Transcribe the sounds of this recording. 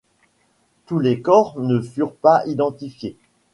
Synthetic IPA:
t̪ulekɔʁnəfyʁpaid̪ɑ̃t̪ifje

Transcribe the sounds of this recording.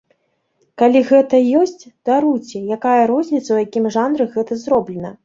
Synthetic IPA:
kalʲiɣɛt̪ɐjɔsʲt͡sʲd̪̥aɾujt͡sʲɛjakajɐɾɔzʲnʲit̪sɐwjakʲimʐanɾɨɣɛt̪ɐzɾɔblʲɛnɐ

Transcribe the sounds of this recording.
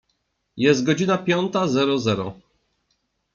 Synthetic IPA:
jɛst̪̚ɡɔd͡ʑinapʲjɔnt̪azɛɾɔzɛɾɔ

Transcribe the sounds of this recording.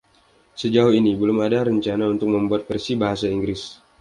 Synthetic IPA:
səd͡ʒaʊuhinibəlʊmadaɾəɲt͡ʃanaunt̪ʊk̚məmbuat̪̚fɛrsibaɦasaiŋɡɾɪs

